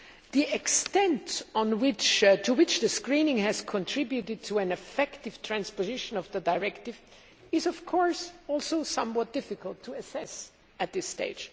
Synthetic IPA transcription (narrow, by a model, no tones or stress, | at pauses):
ðiɛkstɛ̃ntɔ̃nwɪt͡ʃtʰuwɪt͡ʃðɨskɹĩnɪ̃ŋhɨz̥kʰɔ̃ntʰɹ̥ɪbjutɨd̚tʰuɨ̃nɨfɛktɪv̥tʰɹ̥æ̃nspozɪʃə̃nʌvðədaɪɹɛktɪv | ɪzɔv̥kʰɔɹsɔlˠsoʊsʌ̃mwɔt̚d̥ɪfɨkəlˠtʰuɨsɛs | ɨt̪̚ðɪstḛɪd̥d͡ʒ̥